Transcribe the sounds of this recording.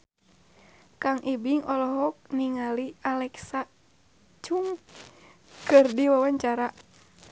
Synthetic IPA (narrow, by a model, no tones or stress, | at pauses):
kaŋʔibiŋʔɔlɔɦɔk̚niŋalialɛksa | t͡ʃuŋ | kɨrdiwawaɲt͡ʃaɾa